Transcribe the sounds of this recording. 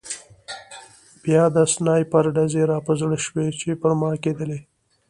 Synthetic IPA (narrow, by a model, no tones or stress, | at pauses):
b̥jɑd̪asnɑjpaɾɖazeɾɑpəzɽəʃwet͡ʃepəɾmɑked̪əle